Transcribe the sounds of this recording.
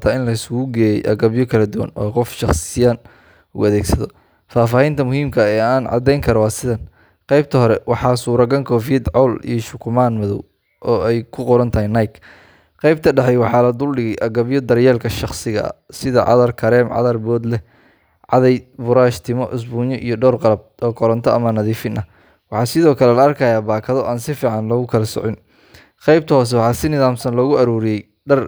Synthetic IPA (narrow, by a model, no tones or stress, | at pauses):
t̪ʰaːɪnlɐɪsɣuːɡɛːjɛjʔɐɣɐβjɔkʰɐlɐd̪ʊwɐ̰nʔɔ̰ːqɔfʃɑχsɪjaːn | ʊ̰ɐðɛːɡsɐðɔ | faːfaːhɛjnt̪ʰɐmʊhiːmkʰɐɛːaːnʕɑ̰d̪ɛjŋkʰɐɾɔwɑːsɪðɐn | qɑjb̚t̪ʰɐɦɔɾɛwɑħɑːsuːɾɐɡɐŋkʰɔːfiːd̪ʕɔwlḭjɞʃʊkʰʊmaːnmɐðɔ̰w | ʔɔːɛjkʰʊqɔɾɐnt̪ʰɐɦijnɐjkʰ | qɑjb̚t̪ʰɐɖɐhɛjwɑħɑːlɐd̪ʊlɖɪɣɛjʔɐɡɐβjɔd̪ɐɾjɛːlkʰɐʃɑχsɪɣɐ̰sɪðɐ̰ʕɑ̰ðɐrkʰɐɾɛːmʕɑ̰ðɐrbɔːd̪lɛ | ʕɑ̰ðɛjbʊɾaːʃt̪ʰɪmɔ̰ʔʊs̬buːɲɔʔḭjɞɖɔːrqɑlɐb̚ɔːkʰɔɾɐnt̪ʰɔʔɐmɐnɐðiːfɪnʔɐ | wɑħɑːsɪðɔːkʰɐlɛlɐɐrkʰɐjaːbaːkʰɐðɔʔaːnsɪfiːʕɑnlɔːɣʊkʰɐlɐsɔ̰ʕɪn | qɑjbt̪ʰɐɦɔːs̬ɛwɑħɑːsɪnɪðaːmsɐnlɔːɣʊɐɾuːɾɪjɛj | ɖɐr